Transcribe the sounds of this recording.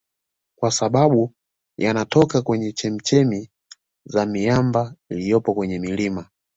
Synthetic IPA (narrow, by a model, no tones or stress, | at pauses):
kwasaɓaɓu | janatɔkakwɛɲɛt͡ʃɛm̩t͡ʃɛmi | zamiambailijɔpɔkwɛɲɛmilima